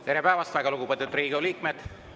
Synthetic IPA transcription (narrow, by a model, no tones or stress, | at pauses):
t̪eɾepæːvɑst̪væɡɑluɡupet̪ːut̪ːˑriːɡoliːkmed̪̥